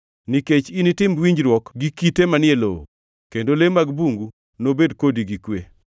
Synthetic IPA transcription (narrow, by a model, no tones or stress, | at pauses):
niket͡ʃinitɪmwiɲd͡ʒɾwɔkɡikitemanɪelo̰ | kendolemaɡbuŋɡu | nobedkodiɡikwe